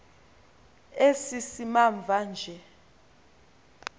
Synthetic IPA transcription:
esisimaɱb̪vʱand͡ʒʱɛ

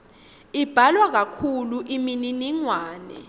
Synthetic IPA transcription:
ib̥ʱalwak̬akʰuluʔimininiŋwaːnɛ̰

